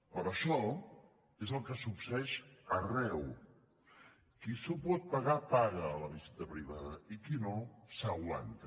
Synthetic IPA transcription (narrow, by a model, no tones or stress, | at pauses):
pəɾəʃɔ | ezəlˠkəsupsəɛʃərɛw | kisupɔt̪̚pəɣapaɣəːləβizit̪əpɾiβ̞aðəikinosawla̰nt̪ə